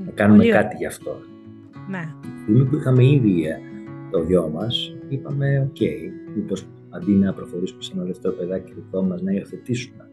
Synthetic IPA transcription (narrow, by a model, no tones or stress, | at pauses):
nɐkɐnumekɐt̪iʝɐːft̪o̞ | neist̪imipuixɐme̞iðiet̪oðʝo̞mɐsipɐme̞o̞ce̞iipo̞s | ɐnd̪inɐpɾo̞xo̞ɾisumesenɐðe̞ft̪e̞ɾo̞pe̞ðɐciɾito̞mɐznɐio̞θe̞t̪isume̞